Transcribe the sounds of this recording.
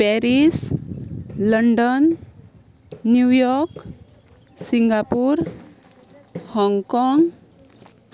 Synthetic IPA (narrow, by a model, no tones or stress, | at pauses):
pɛɾis | ləɳɖən | jujɔɾk | siŋɡapuɾ | hɔŋɡkɔŋɡ